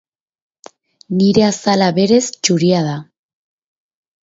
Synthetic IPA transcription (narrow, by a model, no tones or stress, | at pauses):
niɾe̞asalaβe̞ɾe̞st͡ʃuɾiaða